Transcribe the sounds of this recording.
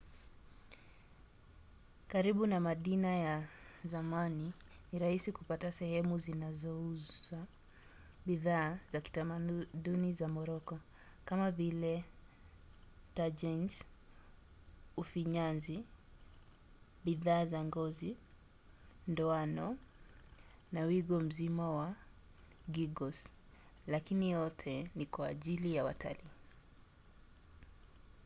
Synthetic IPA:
kaɾiɓunamaɗinajazamani | niɾahisikupatasɛhɛmuzinazɔuza | ɓiðaːzaki̥tamaɗunizamɔɾɔkɔ | kamavilɛ | tad͡ʒɛns | ufiɲanzi | ɓiðaːzaŋɡɔzi | ndɔanɔ | nawiɡɔm̩zimawa | ɡiɡɔs | lakinijɔtʰɛnikwaːʄilijawa̰ta̰liː

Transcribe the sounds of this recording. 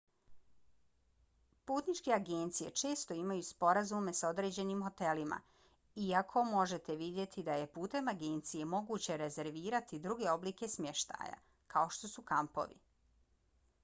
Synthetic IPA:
puːt̪nit͡ʃke̞aɡe̞ːnt̪sije̞̰t͡ʃe̞ːst̪o̞imajuspo̞ɾazume̞sao̞d̪ɾe̞ːd͡ʑe̞niːmɦo̞t̪e̞lima̰ | iakʰo̞mo̞ʒe̞t̪e̞ʋid̪je̞t̪ʰid̪aje̞puːt̪e̞maɡe̞ːnt̪sije̞mo̞ɡuːt͡ɕe̞ɾe̞ze̞ɾʋiːɾat̪id̪ɾuɡe̞o̞bliːke̞smʲje̞ʃt̪a̰ːja̰ | kʰao̞ʃt̪o̞sukampo̰ʋḭ

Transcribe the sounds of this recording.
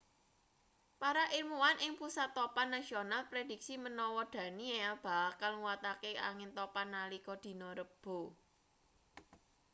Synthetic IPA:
paɾaʔirmuwanʔɪŋpusat̪ːɔpanːasionalpɾed̥i̤k̚simənɔwɔd̪̥ä̤niab̥a̤kalŋwat̪akeʔa̰ŋɪnt̪ɔpanːalikɔd̪̥i̤nɔɾəb̥o̤

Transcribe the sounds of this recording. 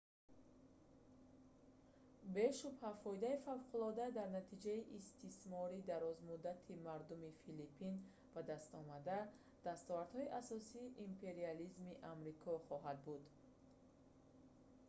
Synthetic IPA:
be̞ʃubhafɔid̪aifavqʰulˠɔd̪ad̪aɾnat̪ʰid͡ʒaiʔist̪ʰismɔɾid̪aɾɔzmud̪at̪ʰimaɾd̪umifilipʰin | bad̪ast̪ɔmad̪a | d̪̥ast̪ɔvaɾd̪̥hɔiʔasɔsiːʔimpʰe̞ɾializmiʔamɾikʰɔχɔɦad̪̚bud̪

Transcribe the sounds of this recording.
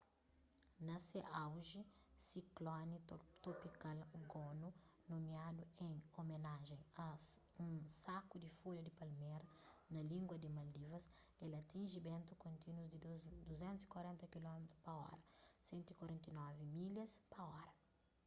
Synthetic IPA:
nɐseʔawʒisiklɔnit̪opikalɡonu | nomiad̪uẽŋomenaʒẽj̃ɐ | ũsakud̪ifulɐd̪ipɐlmeɾɐnɐlĩŋɡwɐd̪imɐld̪ivɐs | elɐt̪ĩnʒibẽnt̪ukõnt̪inwuzd̪id̪uzẽnt̪uzi̥kwaɾẽnt̪ɐkilɔmet̪ɾuspɐɔ̰ɾɐsẽnt̪uikwaɾẽnt̪inɔvimilɐspɐɔɾɐ

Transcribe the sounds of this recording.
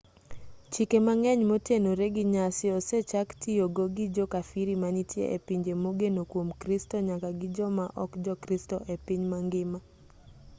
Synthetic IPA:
t͡ʃikemaŋɛɲmotenoɾeɡɪɲasɪɔset͡ʃaktioɡoɡɪd͡ʒɔkafiɾimanitjḛʔepiɲd͡ʒemoɡenokwomkɾistɔɲakaɡɪd͡ʒɔmaʔɔkd͡ʒɔkɾistɔʔepiɲmaŋɡɪma

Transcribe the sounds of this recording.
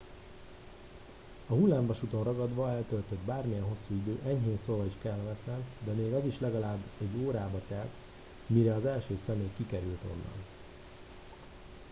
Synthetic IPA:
ɒɦulːaːmbɒʃut̪o̞nrɒɡɒd̪ʋɒɛlt̪ølt̪ød̪baːrmijɛnɦo̞sːuːid̪øːʔɛɲɦeːnsovɒiʃkɛlːvɛsɛnd̪ɛmeːɡɒziʃlɛɡɒlaːbːɛɟːoːɾaːbɒt̪ɛrt̪ | miɾɛɒzɛlʃøːsɛmeːjkikɛɾylt̪o̞̰nːɒ̰n

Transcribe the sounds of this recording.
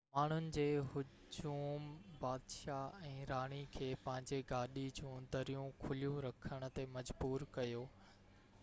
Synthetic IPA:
maːɳ̤ʊnɪ̆d͡ʑeːɦʊ | d͡ʑuːmbaːd̪ʃaɛ̃ːɾaːɽ̃ikʰeːpɐ̃ɦɪ̃ɲd͡ʑeɡaːɗid͡ʑũːd̪ɐɾijũkʰʊlijũɾɐkʰəɽ̃ʊ̆t̪emɐd͡ʑbuːɾkɐjoː

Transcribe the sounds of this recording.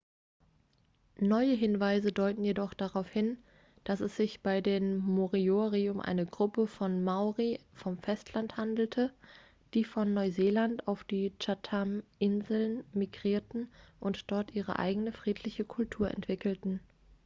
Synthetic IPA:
nɔʏəɦɪnvaɪzədɔʏtn̩jedɔχd̥aʁ̞aʊfhɪn | d̥asɛsz̥ɪçb̥aɪdeːmmoʁioʁiʊmʔa̰ɪnəɡʁʊpəfɔnmaʊʁifɔmfɛstʰlanthandl̩tʰə | d̥iːfɔnːɔʏzeːlantaʊfd̥iːt͡ʃatʰamʔɪnzl̩nmiɡʁiːɐtn̩ʔʊntd̥ɔɐtʔiːʁ̞ə̰ʔa̰ɪɡənəfʁ̥iːtʰlɪçəkʰʊltʰuːɐʔɛ̰ntv̥ɪkl̩tn̩

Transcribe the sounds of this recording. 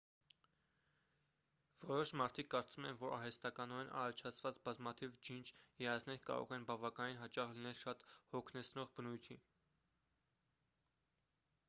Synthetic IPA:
v̥ɔɾɔʃmɑɾt̪ʰikːɑɾt͡sumɛnvɔɾɑ̰ɾɛst̪ɑkɑnɔɾɛnʔɑ̰ɾɑt͡ʃʰɑt͡sʰvɑt͡sbɑzmɑt̪ʰivd͡ʒint͡ʃʰjɛɑsʰnɛɾkɑ̰ɾɔ̰ʁɛnbɑvɑkɑninɦɑt͡ʃɑʁlinɛlʃɑt̪hɔkʰnɛt͡sʰnɔʁbənujt̪ʰi

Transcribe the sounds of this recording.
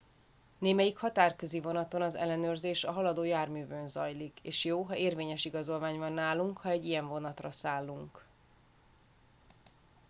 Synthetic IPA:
neːmɛjikhɒt̪aːrkø̞zivo̞nɒt̪o̞nɒzɛ̰lːɛnøːrzeːʃɒɦɒlɒd̪oːjaːrmyːvønzɒjlikeːʃjoːɦɒʔeːrveːɲɛʃiɡɒzo̞lvaːɲvɒnːaːluŋkhɒɛɟːijɛɱvo̞nɒt̪rɒsaːlːuŋk

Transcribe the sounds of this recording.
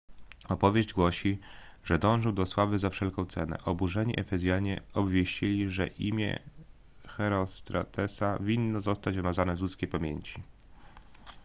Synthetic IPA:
ɔpɔvʲjeʑd͡ʑɡwɔɕi | ʐ̥ɛd̪ɔ̃w̃ʐɨwd̪ɔswavɘzafʂɛlkɔ̃w̃t̪sɛnɛ̰ʔɔbuʐɛɲiʔɛfɛzʲjaɲɛɔbvʲjeɕt͡ɕilʲiʐɛ̰ʔḭmʲjɛ̰ | xɛɾɔst̪ɾɔ̰t̪ʰɛsavʲinːɔzɔst̪ad͡ʑvɘmazanɛzlut̪skʲejpamʲjeɲt͡ɕi̥

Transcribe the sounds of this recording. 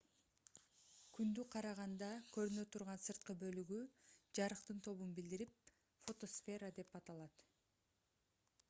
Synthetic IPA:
kynd̪yqʰɑɾɑʁɑnd̪ɑkʰø̞ɾynøt̪ʰuɾʁɑnsɯɾt̪̚qɯbø̞lyɡyd͡ʒɑɾɯqt̪ɯnt̪ʰo̞βunbild̪iɾip̚ | fo̞t̪o̞sfʲe̞ɾad̪e̞pɑt̪ɑlˠɑt̪

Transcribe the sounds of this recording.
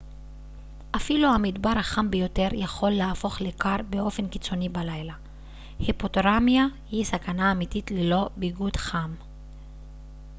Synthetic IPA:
ʔafiluhamidbaʁhaχambejo̞te̞ʁjaχo̞lːeafo̞χlekaʁbeo̞fe̞nki̥t͡so̞nibalajla | hepo̞toʁamjahisakanaːmititlelo̞biɡud̪χam

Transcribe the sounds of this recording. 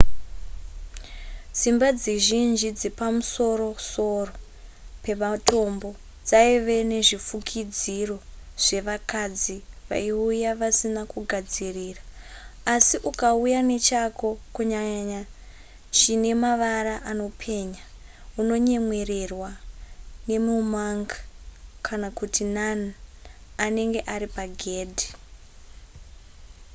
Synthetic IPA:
z̥imbad͡ziʒind͡ʒid͡zepamuso̞ɾo̞so̞ro | pe̞mato̞mbo̞ | d͡zaiʋe̞ne̞ʐifukʰid͡ziro̞ʐ̥e̞ʋakad͡ziʋa̰iujaʋasinakuɡʱad͡ziriːraː | siʔukaujane̞t͡ʃako̞kuɲaɲa | t͡ʃine̞maʋaɾaʔano̞pʰe̞ɲa | uno̞ɲe̞mwe̞re̞rwa | ne̞mumaŋɡakʰanakutinan | ane̞ŋɡe̞ʔaɾipaɡʱe̞ːdʱi

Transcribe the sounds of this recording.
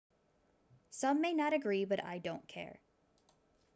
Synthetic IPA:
sʌ̃mːeɪnɑɾɨɡɹibʌɾa̰ɪdõʊ̃nkʰɛ̰ɹ

